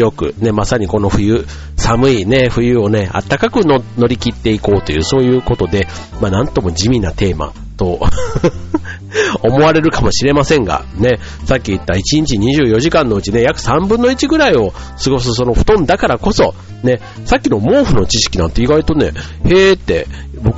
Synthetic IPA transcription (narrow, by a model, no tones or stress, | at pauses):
jo̞kɯ̟̰ne̞masaɲ̟iko̞no̞ɸɯ̟jɯ̟ | samɯ̟ine̞ɸɯ̟jɯ̟ːo̞ne̞a̰t̪ːakakɯ̟nono̞ɾʲikʲit̪ːe̞iko̞ːt̪o̞jɯ̟ːso̞ːjɯ̟ːko̞t̪o̞d̪e̞ | manãnt̪o̞mo̞d͡ʑimʲinat̪e̞ːma̰ | t̪o̞ | omo̞aɾe̞ɾɯ̟kamo̞ɕiɾe̞masẽ̞ŋɡa̰ne̞ | sakʲːiːt̪ːait͡ɕiɲ̟it͡ɕiɲ̟iʑɨːjo̞ʑikãnːo̞ɯ̟t͡ɕine̞jakɯ̟̥sãmbɯ̟̃nːo̞it͡ɕiɡɯ̟ɾaio̞ | sɨɡo̞s̬ɨso̞no̞ɸɯ̥t̪õ̞nd̪akaɾako̞so̞ | ne̞ | sakʲːino̞mo̞ːɸɯ̟no̞t͡ɕiɕi̥kʲinã̰nt̪ːe̞iɡait̪o̞ne̞̰ | he̞ːt̪ːe̞̰ | bo̞k